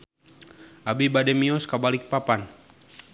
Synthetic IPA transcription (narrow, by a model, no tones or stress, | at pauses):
ʔabibadɛmiɔskabalɪk̚papan